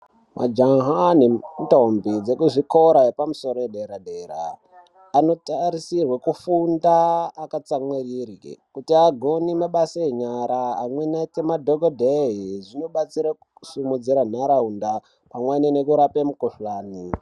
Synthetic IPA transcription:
mʔa̰d͡ʒaŋɦanetombid͡zekuʐikoɾaɦepamuso̞ɾojeɗeɾaɗeɾa̰ː | no̞taɾisirwekufundaːkat͡samwerirḭkutiaɡʱonimaɓasaeɲaɾaːmwenatemadʱoɡodʱeɦiʐino̞ɓat͡siɾausumud͡ziɾan̤aɾaunda | pamwenenekuɾapemukoɬlaːni

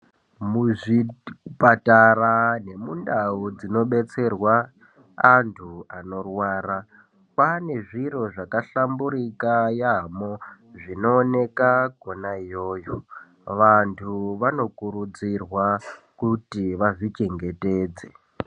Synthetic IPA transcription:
muʐipatarane̞mundaud͡zino̞ɓe̞t͡se̞rwaː | ntʰuano̞rwaːɾa | pane̞ʐiro̞ʐakaɬambuɾikajamo | ʐino̞ːne̞kaɡʱonajoːjo | ʋantʰuʋano̞kuɾud͡zirwakutiʋaʐit͡ʃe̞ŋɡe̞te̞ːd͡ze

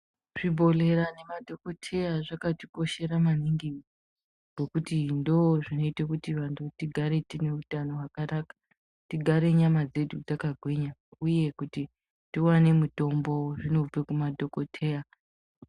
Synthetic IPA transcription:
ʐ̥ibʱo̞le̞ɾane̞madʱo̞ko̞tʰe̞jaʐakatipo̞ʃe̞ɾamaniŋɡi | ɡ̥ʱo̞kutindoʐino̞itakutiʋantʰutiɡʱaɾe̞tine̞utano̞wakanakḁ | tiɡʱaɾe̞ɲamad͡ze̞dud͡zakaɡʱweɲauje̞kuti | tiwane̞muto̞mbo̞ʐino̞b͡vekumadʱo̞ko̞tʰe̞ja

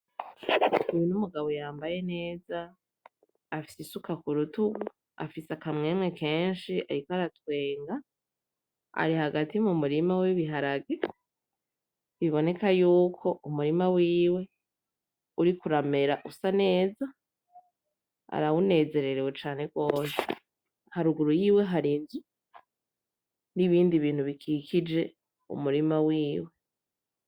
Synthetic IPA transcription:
ujinumuɡaβo̞jaːmbaje̞ne̞ːzaː | fisisukakuɾutuɡu | a̰fisakamŋeːmŋe̞kʰe̞ːnʃia̰ɾikoaɾatwe̞ːŋɡa | a̰ɾihaɡatimumuɾimawiβiɦaɾaɡe | βiβo̞ne̞kajuːkʰo̞umuɾimawiːwe̞ | uɾikuɾame̞ɾaʔusane̞ːza | a̰ɾawune̞ːze̞ɾe̞ɾewe̞t͡ʃaːne̞ɡwoːse̥ | haɾuɡuɾujiːwe̞ɦaɾinzu | niβiːndiβiːn̥huβikʰikʰid͡ʒe̞ | ṵmuɾimawiːwe̞

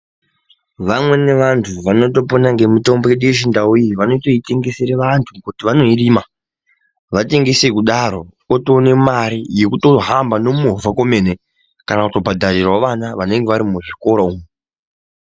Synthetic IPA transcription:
ʋamwe̞ne̞ʋantʰuʋano̞to̞po̞naŋɡe̞mito̞mboeɗujeʐindaujiʋano̞to̞ite̞ŋɡe̞seɾeʋantʰukutiʋano̞iriːma | ʋate̞ŋɡe̞sekuɗaɾo̞kotone̞maɾije̞kuto̞ɦambano̞muɦovʱako̞me̞ːne | kanakuto̞bʱadʱarirwoʋanaʋane̞ŋɡe̞ʋaɾimuʐiko̞ɾoume

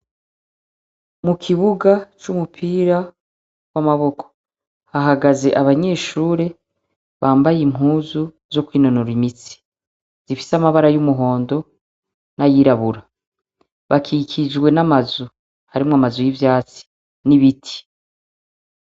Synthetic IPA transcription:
mukʰiβuɡat͡ʃumupʰiːɾa | wamaβo̞kʰo̥ | haɦaɡaze̞ʔaβaɲe̞ːʃuːɾe̞ | βaːmbajim̥ɦuːzu | zo̞kwiːno̞noɾimit͡si̥ | z̥ifi̥samaβaɾajumuɦo̞ːndo̞ | najiːɾaβuɾa | βakʰikʰid͡ʒwe̞namazu | haɾimŋamazujivjaːt͡si̥ | niβitʰi̥

